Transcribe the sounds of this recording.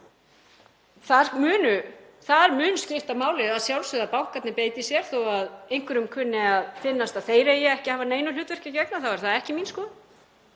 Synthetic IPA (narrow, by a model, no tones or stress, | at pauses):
θaɾmʏːnʏθaðɾmʏːnʏscɪft̪amaːwlɪaðsjawlsʏðapawhkat̪nɪpeːjt̪ɪsjɛɾ̥θowaðejŋ̥kvʏɾʏmkʰʏnːɪaðfɪnːast̪aθeːjɾaijɛɛhcɪhaːvaneːjnʏlʏːt̪vɛr̥cɪcɛknaθawvɛɾ̥θaðɛhcɪminskɔːð